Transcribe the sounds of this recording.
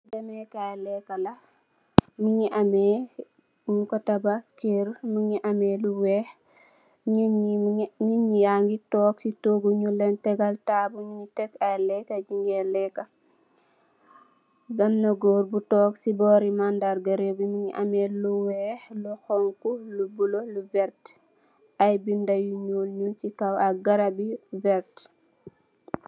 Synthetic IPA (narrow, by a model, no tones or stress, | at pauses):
dɐmɛkajlɛkːɐlɐ | miɲiʔɐmɛ | ɲukɔtɐbɐkeɾmiɲiʔɐmɛluwɛh | ɲ | ɲuɲijaŋɡitɔːksitoːɡuɲulɛntɛɡɐltaːbuɲuɲitɛkajlɛkɐɟiŋɡɛlɛkːɐ | dɐnːɐɡɔːɾbutɔːksibɔɾimandaɾɡɐɾebumiɲiʔa̰mɛluwɛhluxɔŋkulubuloluvɛɾt | ʔajbindajuɲuːlɲunt͡ʃikawɐɡɐɾabivɛɾt